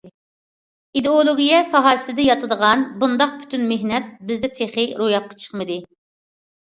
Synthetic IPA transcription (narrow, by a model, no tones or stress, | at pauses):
id̪eolˠoɡʲijɛsɑɦɑɾsɪd̪ɛjɑt̪ʰɨd̪əʁɑnbund̪ɑq̚pʰy̥t̪ʰynmeɦnɛt̪̚bɪzd̪ɛt̪ʰeχɪɾojɑp̚qʰɑ̥t͡ʃʰə̥χmɨd̪ɨ